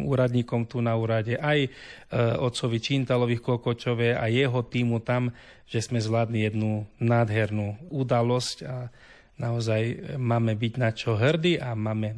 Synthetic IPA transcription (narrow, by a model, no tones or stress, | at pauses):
ṵːɾad̪ɲiːkɔmt̪unauːɾaɟɛʔaj | ɔt̪t͡sɔʋit͡ʃint̪alɔʋixkɔkɔt͡ʃɔʋɛa̰jɛɦɔt̪iːmut̪am | ʒ̥ɛzmɛzʋlaːd̪nijɛd̪nunaːd̪ɦɛɾnuːud̪alɔsca | naɔzajmaːmɛbiɟnat͡ʃɔɦrd̪iʔamaːmɛ